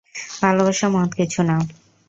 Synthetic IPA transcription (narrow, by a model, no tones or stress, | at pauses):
bʱalobaʃamɔɦt̪kit͡ɕʰuna